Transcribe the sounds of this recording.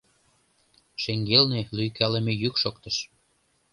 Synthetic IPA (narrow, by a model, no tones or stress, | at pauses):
ʃeŋɡelnelyjkælə̆mĕjykʃokt̪ə̆ʃ